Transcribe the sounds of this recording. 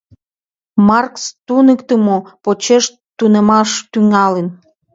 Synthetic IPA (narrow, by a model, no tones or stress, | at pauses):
mɑrkst̪unəkt̪əmopot͡ɕeʃ | t̪unemɑʃt̪yŋɑlən